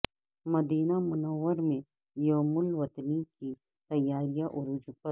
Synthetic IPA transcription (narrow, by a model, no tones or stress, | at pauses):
mɐd̪iːnamʊnɐwːəɾmẽ | joːmʊlwɐt̪niki | t̪ɐjːaːɾijaʔɔɾʊd͡ʒʊpə